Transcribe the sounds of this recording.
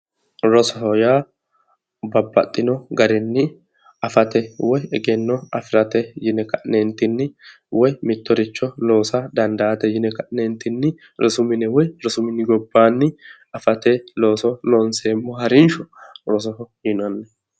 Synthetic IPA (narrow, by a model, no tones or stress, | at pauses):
ɾɔsɔɦɔjaː | bɐbːɐt̪ʼːɪnɔɡɐɾɪnːɪ | ɐfɐt̪ɛwɔjɛɡɛnːɔɐ̰fɪɾɐt̪ɛjɪnɛkɐʔnent̪ɪnːɪ | wɔjmɪt̪ːɔɾɪt͡ʃːɔlo̞ːsɐd̪ɐnd̪ɐːt̪ɛjɪnɛkɐʔnent̪ɪnːɪ | ɾɔsʊmɪnɛwɔjɾɔsʊmɪnːɪɡɔbːaːnːɪ | ɐfɐt̪ɛlo̞ːsɔlonseːmːɔhɐɾɪnʃɔɾɔs̬ɔhɔjɪnɐnːɛ